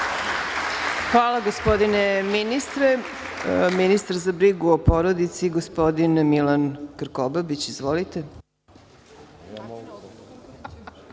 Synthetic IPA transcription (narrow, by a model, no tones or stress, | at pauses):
xʋaːlˠaɡospo̞d̪ineminist̪ɾe | minist̪aɾzabɾiɡuopo̞ɾod̪it̪siɡospo̞d̪inmilankr̩kobabit͡ɕizʋolit̪e